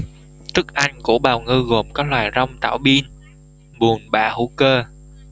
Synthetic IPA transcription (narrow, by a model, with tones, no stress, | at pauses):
t̪ɨ˦˥k̚ʔa˧jŋ̟kṵ˧˩ɓaː˨˩wŋɨ˧ɣo˨˩mkɔ˨˦lwaː˨˩jzɔ˧wŋ͡mt̪a̰ː˧˩wɓi˧ən | ɓu˨˩ənɓa̰ː˧˩˨hṵ˧˩kəː˧